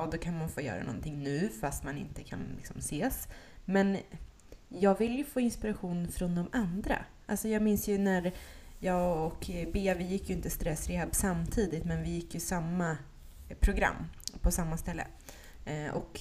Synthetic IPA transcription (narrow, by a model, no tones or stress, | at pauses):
d̪ɔkʰanmanfoːjœ̰ːɾa̰nɔ̰nt̪ʰɪŋːnʉ̟ːfast̪manɪ̰nt̪əkʰa̰nlɪ̰ksɔmseːsmɛn | jɑːɡvɪljɵfoːɪnspɪɾaɧuːnfɾɔnd̪ɔmand̪ɾa̰ | ʔalsɔjɑːɡmɪnsjɵnæɾjɑːɡɔkbeːavɪjɪkːjɵɪnt̪əst̪ɾɛsːɾɪɛbsamt̪ʰiːd̪ɪt̪mɛnvɪjɪkːjɵsamːa | pʰɾʊɡɾa̰mːpʰɔsamːast̪ɛlːə̰ | ʔɔ̰k